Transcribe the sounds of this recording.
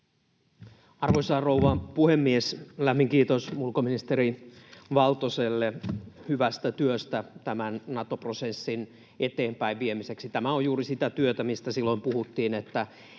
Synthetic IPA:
ɑrʋoisɑːrouʋɑpuhemːieslæmːiŋkiːt̪osulkominist̪eɾiʋɑlt̪oselːehyʋæst̪æt̪yøst̪æt̪æmænnɑt̪oprosesːin | et̪eːmpæiʋʋiemise̞ksit̪æmæojjuːɾisit̪æt̪yøt̪æmist̪æsilːo̞impuhut̪ːiːnet̪ːæ

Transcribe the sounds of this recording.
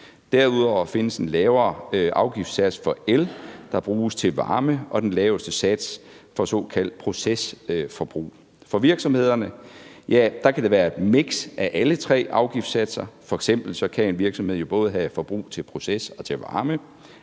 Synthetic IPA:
d̥æɐuðˠɒʊ̰fe̝nəsenlɛːʊɐʔɑ̈ʊɡ̥ifd̥sæd̥sfɒ̽eld̥ɑ̈b̥ʁuːst͡sʰe̝lʋɑ̈ːməʔɒ̽d̥enlɛːʊsd̥əsæd̥sfɒ̽sɔ̰̽ːkʰæl̰d̥̚pʰʁo̝sesfɒ̽b̥ʁṵː | fɒ̽ʋiɐɡ̥sɒ̽mhe̝ð̞̰ˠɐnəjæd̥ɑ̈kʰæd̥e̝ʋæːɐ̥meɡ̥sʔæʔælət͡sʰʁɛ̰ːʔɑ̈ʊɡ̥ifd̥sæd̥sɐfɒ̽eɡ̥sem̰b̥l̩sɒ̽kʰæe̝nʋiɐɡ̥sɒ̽mhḛjo̝b̥ɔ̽ːðˠɦæfɒ̽b̥ʁṵːt͡sʰe̝lpʰʁo̝sesɒ̽t͡sʰe̝ʋɑ̈ːmə

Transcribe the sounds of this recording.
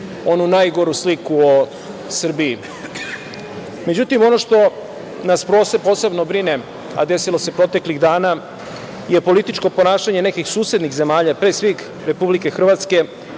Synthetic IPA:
o̞nunajɡo̞ɾuslikuo | sr̩biː | med͡ʑut̪imo̞no̞ʂt̪o̞ | naspɾoːsepoːse̞bnobɾine | a̰d̪e̞silo̞se̞pɾo̞t̪e̞kliɣd̪aːna | jepo̞lit̪it͡ʃko̞po̞naːʃaɲe̞nekixsuːse̞d̪nixze̞maːʎapɾesʋix | ɾe̞publike̞xr̩ʋat̪ske̞

